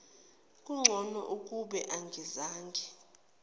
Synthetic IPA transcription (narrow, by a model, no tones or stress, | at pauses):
kʼuŋ͡ǁʱɔnɔ̰ʔukʼuɓɛʔaŋɡʱizaːŋɡʱɛ